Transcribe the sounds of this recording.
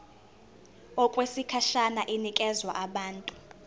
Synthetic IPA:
ɔkʼwesikʰaʃanaʔinikʼɛzwa̰ʔaɓaːntʼu̥

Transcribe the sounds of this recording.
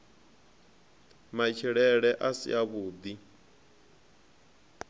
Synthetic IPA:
mait͡ʃʰiɺɛɺɛʔasḭaβuːd̪i

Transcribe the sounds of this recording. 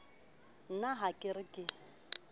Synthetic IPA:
n̩naɦakʼɪrɪkʼɪ

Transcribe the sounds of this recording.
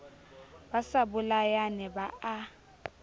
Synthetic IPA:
basabʊlajanɛbaʔa

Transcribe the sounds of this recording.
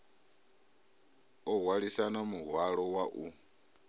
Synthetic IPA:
ɔɦwaɺisanamuɦwaɺɔwaʔu

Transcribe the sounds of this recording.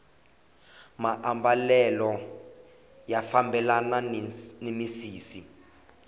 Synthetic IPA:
maʔambalɛlɔ | jafambɛlananemisiːsi

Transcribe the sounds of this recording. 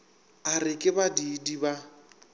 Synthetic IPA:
arɪkʼɪbadidiba

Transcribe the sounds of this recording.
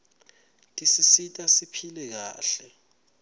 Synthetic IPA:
tʼisisitʼasipʰilɛk̬aːɬɛ

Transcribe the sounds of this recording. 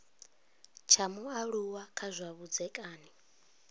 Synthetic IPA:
t͡ʃʰamuaɺuwakʰazʷaβud͡zɛkʼaːni

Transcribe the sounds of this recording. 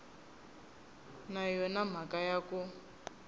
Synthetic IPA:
najɔnam̤akajaku

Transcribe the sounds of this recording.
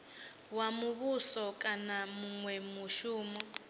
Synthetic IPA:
wamuβusɔkʼanamuŋwɛmuʃuːmɔ

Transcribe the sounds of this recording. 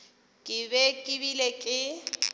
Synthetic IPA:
kʼɪbɛkʼɪbilekʼɪ

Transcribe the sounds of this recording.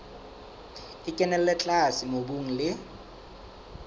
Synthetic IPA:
ɪkʼɛnɛl̩lɛt͡ɬʼasɪmobuŋ̩lɪ

